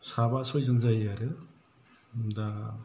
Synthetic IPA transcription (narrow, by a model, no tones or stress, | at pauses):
sabasɔjzɯŋzajaɾɯ | da